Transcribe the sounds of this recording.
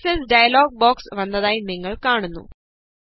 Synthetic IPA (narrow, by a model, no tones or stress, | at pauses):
sesɖɐjɐloːɡ̚baːksʋɐnd̪ɐd̪ɐjnːiŋɡɐɭkaːɳunːṵ